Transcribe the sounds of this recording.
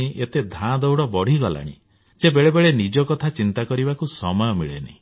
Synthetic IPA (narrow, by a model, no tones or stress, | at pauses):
iʔet̪ed̪ʱãd̪owɽɔbɔɽ̤iɡɔla̰ɽ̃ḭ | d͡ʒebeɭebeɭenid͡ʒɔkɔt̪ʰat͡ʃint̪akɔɾibakusɔmɔjɔmiɭenḭ